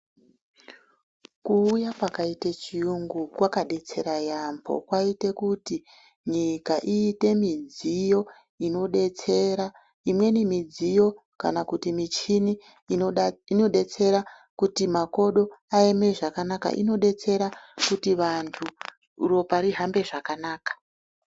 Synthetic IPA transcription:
kuːjakwakaitet͡ʃijuŋɡukwakaɗe̞t͡se̞̰ɾajambʰo̰kwaite̞kuti | ɲikaʔiːte̞mid͡zijo̞ | ino̞ɗet͡se̞ɾa | imwe̞nimid͡zijo̞ | ka̰nakutimit͡ʃini | ino̞ɗe̞t͡se̞ɾa | kutimako̞ɗo̞aeme̞ʐakanaka̰ʔḭno̞ɗe̞t͡se̞ɾakutiʋantʰu | ro̞paɾiɦambe̞ʐakanaːkḁ

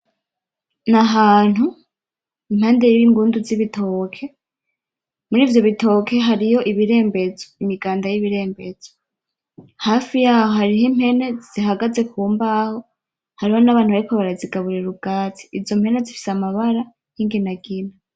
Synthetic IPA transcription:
naɦaːn̥hu | imhaːnde̞jiβiŋɡuːnduziβitʰo̞kʰe̞ | muɾiːvjo̞βito̞kʰe̞ɦaɾijo̞ʔiβiɾe̞ːmbe̞zoimiɡaːndajiβiɾe̞ːmbez̥o̥ | haːfijaːho̞haɾihim̥he̞ne̞z̥iɦaɡaze̞kuːmbaho̞ | haɾiho̞naβaːn̥huβaɾikoβaɾaziɡaβuɾeɾuɡaːtʰi̥ːvzo̞mhe̞ne̞zifi̥samaβaɾa | hiːŋɡinaɡina

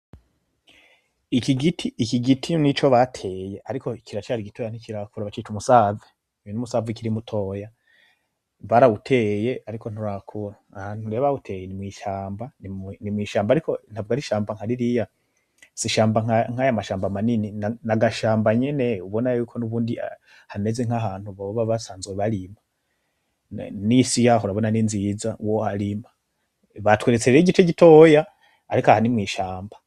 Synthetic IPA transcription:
ikiɡitʰiːkiɡitʰinit͡ʃo̞βatʰe̞ːje̞ʔaɾikʰoikʰiɾat͡ʃaɾiɡito̞jan̥ikiɾakuɾaβat͡ʃit͡ʃumusave | inumusaːvikiɾimutʰo̞ːja | βaɾautʰe̞je̞aɾikʰo̞n̥uɾakʰuɾaahanuɾe̞ːβautʰe̞ːjenimwiːʃaːmbaninimwiːʃaːmbaɾikʰon̥havuɡaɾiʃaːmbaŋ̥aɾiɾija | siʃaːmbaŋaŋ̥hajamaʃaːmbamanininnaɡaʃaːmbaɲene̞uβo̞najuːkʰo̞nuβuːndia | hane̞zeŋ̥aɦaːn̥huβoββaβasaːnzweβaɾima | nisijaɦoɾaβo̞naninzizawoaɾima | βatweɾet͡seɾeɟit͡ʃeɟito̞jaː | ɾikoahanimwiːʃaːmba

